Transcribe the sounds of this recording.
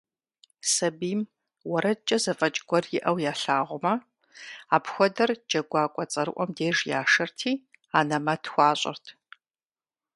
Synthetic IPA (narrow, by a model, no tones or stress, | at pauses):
sɐbiːm | wɐɾɐt͡ʃʼɐzɐfʼɐt͡ʃʼɡʷɔrjɪʔɐwjaːɬaːʁʷʊmɐ | aːpxʷɔdɐrd͡ʒɐɡʷɑːkʷʼɔt͡sʼɐɾɨʔʷɔmdeːʒjaːʂɐrtʰiː | aːnɐmɐtʰxʷɑːɕʼɪ̰rtʰ